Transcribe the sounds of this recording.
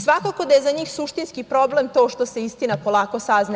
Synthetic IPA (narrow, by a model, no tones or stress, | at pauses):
sʋakako̞d̪aje̞zaɲiːxsuʃt̪inskipɾo̞ble̞mt̪o̞ʃt̪o̞se̞ist̪inapo̞lˠaːko̞sazna